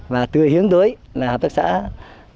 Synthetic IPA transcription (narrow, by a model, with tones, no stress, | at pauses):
vaː˨˩t̪ɨ˨˩əhi˨˦əŋt̪əː˨˦jlaː˨˩haː˨˩p̚t̪a˦˥k̚sa̰ː˧˥